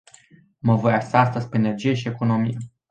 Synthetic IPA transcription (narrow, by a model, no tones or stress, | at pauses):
məvo̞jast̪aast̪əzʲpeene̞rd͡ʒije̞ʃie̞ko̞no̞mije